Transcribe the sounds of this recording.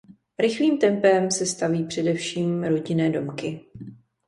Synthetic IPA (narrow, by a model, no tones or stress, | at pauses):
ɾɪxliːmt̪ɛmpɛmsɛst̪aviːpr̝̥ɛdɛfʃiːmɾo̞ɟɪnɛːdo̞mkɪ